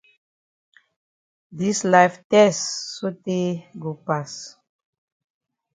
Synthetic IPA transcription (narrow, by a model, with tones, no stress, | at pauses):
di˦slajftɛsːo˦te˦ɡo˨pas